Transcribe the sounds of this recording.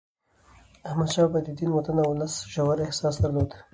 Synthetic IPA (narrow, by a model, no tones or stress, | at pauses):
ahmad̪ʃɑbad̪id̪inwat̪anawlasʒawaɾɪhsɑsd̪aɾlod̪